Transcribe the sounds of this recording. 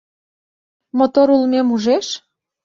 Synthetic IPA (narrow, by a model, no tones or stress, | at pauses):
mot̪oɾulmemuʒeʃ